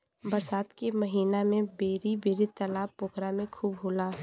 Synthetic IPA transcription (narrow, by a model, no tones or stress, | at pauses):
bɐɾsaːt̪kemɐɦiːnamẽbeːɾibeːɾit̪əlaːʊːkɾamẽkʰuːbɦoːlaː